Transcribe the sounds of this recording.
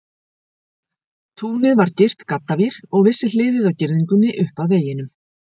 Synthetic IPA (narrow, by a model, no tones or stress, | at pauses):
t̪ʰuːnɪðvaɾcɪr̥t̪kat̪ːaviɾ̥ɔɣvɪsːɪl̥ɪːvɪðawcɪɾðiŋkʏnːɪʔʏhpaðveːjɪnʏm